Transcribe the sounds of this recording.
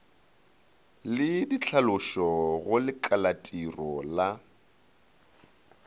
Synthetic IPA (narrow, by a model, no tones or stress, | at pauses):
lɪdit͡ɬʰalʊʃɔɣʊlɪkʼalatʼirɔla